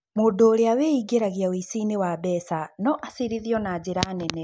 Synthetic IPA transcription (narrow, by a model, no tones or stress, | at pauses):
moːndoːɾeaweiɡeɾaɣiaoisinewabɛsanɔʔasiɾiðiɔnad͡ʑeɾaːnɛnɛ